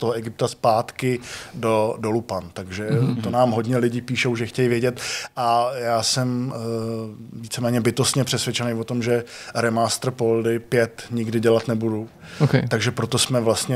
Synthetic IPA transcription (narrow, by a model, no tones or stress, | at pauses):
t̪oɦoʔɛɡɪp̚t̪aspaːt̪kɪdo̞do̞lupant̪aɡʒɛt̪onaːmɦo̞dɲɛlɪɟɪpiːʃowʒɛxcɛjivjɛɟɛt̪ʔajaːsɛm | viːt͡sɛmɛːɲɛbɪt̪ost̪ɲɛpr̥ɛsvjɛt͡ʃɛnejvo̞t̪o̞mʒɛɾɛmaːst̪r̩poldɪpjɛt̪ɲɪɡdɪɟɛlat̪nɛbudu | okt̪aɡʒɛpɾot̪o̞smɛvlast̪ɲɛ